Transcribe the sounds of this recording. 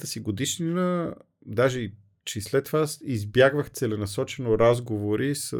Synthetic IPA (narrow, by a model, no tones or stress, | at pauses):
t̪əsiɡod̪iʃninə | d̪aʒɛ | t͡ʃɛslɛt̪ːvasizbjaɡvəxt̪sɛlɛnɐsɔt͡ʃɛnoɾazɡovoɾisə